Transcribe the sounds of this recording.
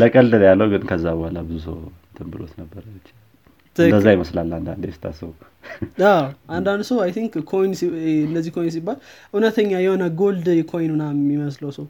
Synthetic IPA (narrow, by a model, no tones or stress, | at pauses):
ləkʼəld̪əljalːəwɡɨnkʰəzːabəhalabɨzusə̰w | t̪ʰɨmbɨlo̰t̪nəbːəɾət͡ʃːɪa | d̪əzːajɪməslalːand̪a̰nd̪ɛst̪ʰa̰səw | aʔand̪and̪səwajt̪ʰiŋkkʰo̞jnsiɨndəzːihkʰo̞jns̬ibːalʔunət̪ʰəɲːajɛho̞nəɡo̞ld̪jɛkʰo̞jnunamːiməsləwsəw